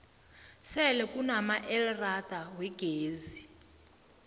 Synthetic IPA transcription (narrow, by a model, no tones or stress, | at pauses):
sɛlɛkʼunamaʔɛlrad̪̥ʱawɛɡ̥ʱeːzi